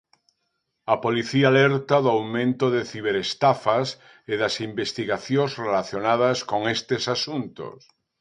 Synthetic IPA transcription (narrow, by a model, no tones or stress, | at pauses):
apoliθiaːleɾt̪aðoawmẽnt̪oðeθiβ̞eɾest̪afas | eðasimbest̪iɣaθjoŋszrelaθjonað̞askoŋest̪esasunt̪o̰s